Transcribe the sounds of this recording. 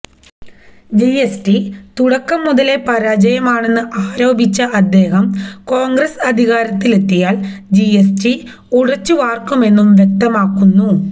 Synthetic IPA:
d͡ʑiesʈit̪uɽɐkːɐmːuðɐle̞pɐɾaːd͡ʑɐjɐmaːɳe̞nːɨʔaːɾo̞ːbʱit͡ɕːɐʔɐd̪ːe̞ːɦɐmko̞ːŋɡɾɐsɐd̪ʱiɣaːɾɐt̪ːilet̪ːijaːld͡ʑiesʈi | uɽɐt͡ɕːuʋaːrkːume̞nːumʋjek̚t̪ɐmaːkːunːu

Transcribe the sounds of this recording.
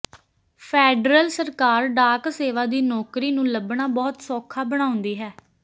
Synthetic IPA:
pʰɛːɖɾəlsəɾkaːɾɖaːkseːʋaːd̪iːnɔːkɾiːnũːləbɳaːbɔːt̪sɔːkʰaːbəɽ̃ãːʊ̃nd̪iːɦɛː

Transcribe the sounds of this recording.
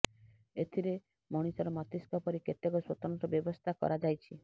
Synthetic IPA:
et̪ʰiɾe | mɔɽ̃isɔɾɔmɔt̪iskɔpɔɾiket̪ekɔswot̪ɔnt̪ɾɔbjɔbɔst̪ʰakɔ̰ɾad͡ʒajt͡ʃʰi

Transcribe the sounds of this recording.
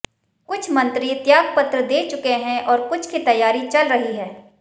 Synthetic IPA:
kʊt͡ʃʰmɐ̃nt̪ɾit̪jaːɡ̚pɐt̪ɾəd̪eːt͡ʃʊkeɦɛ̃ʔɔːɾkʊt͡ʃʰkit̪ɐjaːɾit͡ʃɐlɾɐɦiɦɛː

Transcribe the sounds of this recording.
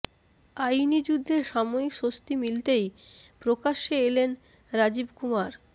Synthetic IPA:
ajnid͡ʑud̪ʱːeɾʃamoikʃost̪imilt̪ejpɾokaʃeelen | ɾad͡ʑibkumaɾ

